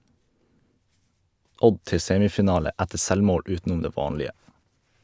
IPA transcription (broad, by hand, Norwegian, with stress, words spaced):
ˈʔɔɟ ˈtɛ ˈseːmɪfɪˌnɑːlə ˈætəɾ ˈsɛlˌmoːɽ ˈʔʉːtnʊm ˈdeː ˈʋɑːnlɪə